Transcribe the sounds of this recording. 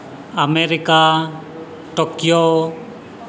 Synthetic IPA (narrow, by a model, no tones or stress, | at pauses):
ameɾika | ʈɔkjo